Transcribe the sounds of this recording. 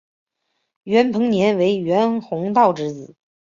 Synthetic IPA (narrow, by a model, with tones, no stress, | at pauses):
ɥɛ˧˥npʰɤ˧˥ŋnjɛ˧˥nwe˧˥ɪɥɛ˧˥nxʊ˧˥ŋt̪ɑ˥˩ʊʈ͡ʂɻ̩˧˥t͡sɹ̩˨˩˦